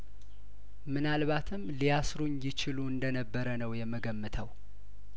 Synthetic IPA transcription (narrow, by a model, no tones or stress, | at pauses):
mɨnalβat̪ʰɨmlijasɾuɲjɪt͡ʃɪluɨnd̪ənəbːəɾənəwjɛmːəɡəmːɨt̪ʰəw